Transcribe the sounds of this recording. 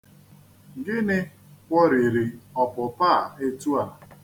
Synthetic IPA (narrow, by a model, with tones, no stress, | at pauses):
ɡɪ˦nɪ˦ | kʷɔ˦ɾi˨ɾi˨ɔ˨pʊ˨pa˦˨e˦tu˦a˨